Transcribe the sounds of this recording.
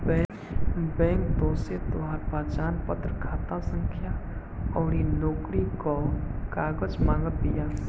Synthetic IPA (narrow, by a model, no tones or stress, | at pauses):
bɛ̃ | bɛ̃ːŋkd̪oːset̪oɦaːɾpaːt͡ʃaːnpət̪ɾəkʰaːt̪asə̃ŋkʰja | ɔːɾinoːkɾikokaːɡəd͡ʒmãːŋɡət̪d̪ɪjaː